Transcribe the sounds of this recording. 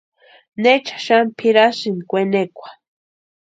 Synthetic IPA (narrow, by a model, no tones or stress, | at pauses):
net͡ʃḁʃampʰiɾasinkʷenekʷḁ